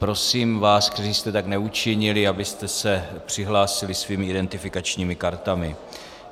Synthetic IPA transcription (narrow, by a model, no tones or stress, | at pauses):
pɾo̞siːmvaːskt̪ɛriːst̪ɛt̪aknɛut͡ʃɪɲɪlɪabɪst̪ɛsɛpr̝̥ɪɦlaːsɪlɪsviːmɪɪdɛnt̪ɪfɪkat͡ʃɲiːmɪkaɾt̪amɪ